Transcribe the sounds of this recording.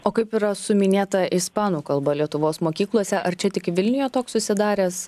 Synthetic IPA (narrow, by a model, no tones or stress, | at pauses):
oːkɐɪpɪɾɐsʊmʲɪnʲeːt̪ɐɪspɑːnuːkɐlˠbɐlʲiɛt̪ʊʋoːsmoːkʲiːklˠuɔsʲɛʔɐɾt͡ʃʲɛt̪ʲɪkʋʲɪlʲnʲɪjoːt̪oːkssʊsʲɪd̪ɑːɾʲeːs